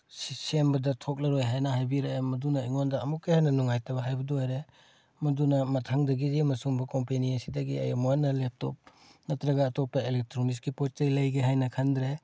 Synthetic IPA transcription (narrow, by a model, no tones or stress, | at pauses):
sisembɐdɐtʰok̚lɐɾojɦajnɐɦajbiɾemɐdunɐiŋondɐɐmuk̚ːehajnɐnuŋajtʰɐbɐɦajbɐduajɾe | mɐdunɐmɐtʰaŋdɐɡizimɐsuŋbɐkompeniɐsidɐɡiɐ̰jɐmuanːɐlep̚to̰p̚ | nɐtɾɐɡɐːtɔk̚pːɐelek̚tɾoniskipɔtejlɐjɡeɦajnɐkʰandɾe